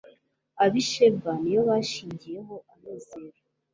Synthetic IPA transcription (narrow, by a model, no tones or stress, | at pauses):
aβiʃebanijo̞βaʃiːɲɟije̞ɦo̞ʔamezeɾa